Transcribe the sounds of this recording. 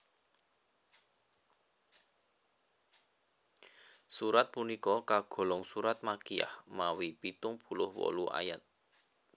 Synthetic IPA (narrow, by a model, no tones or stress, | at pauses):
suɾat̪̚punikɔkaɡ̥ɔ̤lɔŋsuɾat̪̚makia̰hmawipit̪ʊŋb̥ṳlʊhwɔ̰luʔa̰jat̪̚